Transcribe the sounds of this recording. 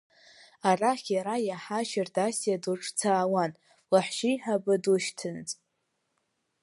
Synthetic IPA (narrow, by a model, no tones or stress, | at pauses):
araχʲjaɾajaħaʃardasjaduʈ͡ʂʼʰt͡sʰaːwan | laħʃijħabɨduʃtʰɨnt͡sʼ